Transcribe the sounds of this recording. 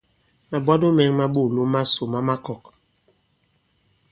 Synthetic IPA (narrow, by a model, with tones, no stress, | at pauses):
ma˨ba˦do˦mɛ˨˦ŋma˦ɓo˦˨lo˦ma˦so˨ma˦ma˦kɔ˨k̚